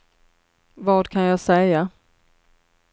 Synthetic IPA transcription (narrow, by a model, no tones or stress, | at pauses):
vɑːɖ̪kʰanjɑːsɛja